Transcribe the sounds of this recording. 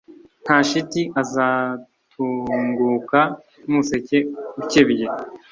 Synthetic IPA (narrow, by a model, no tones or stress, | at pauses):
n̥haːʃitiʔaza | tʰuŋɡuka | muse̞ce̞ucebje